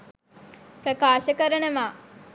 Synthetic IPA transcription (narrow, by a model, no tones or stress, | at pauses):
pɾəkaːʃəkəɾənəʋaː